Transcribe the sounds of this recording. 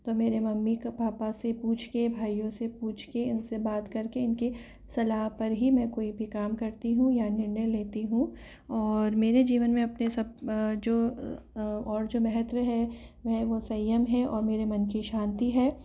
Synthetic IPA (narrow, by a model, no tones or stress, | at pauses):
t̪oːmeːɾemɐmːikpaːpasepuːt͡ʃʰkebʱaːijõsepuːt͡ʃʰkeɪnsebaːt̪kɐɾkeɪnke | sɐlaːɦpɐɾɦimɛ̃koːibʱikaːmkɐɾt̪iɦũjanɪɾnəjleːt̪iɦũ | ɔːɾmeːɾed͡ʒiːʋənmẽɐpnesɐb̚d͡ʒoː | ɔːɾd͡ʒoːmɛɦɛt̪wəɦɛʋɛɦʋosɐjːəmɦɛʔɔːɾmeːɾemɐnkiʃãːnt̪iɦɛː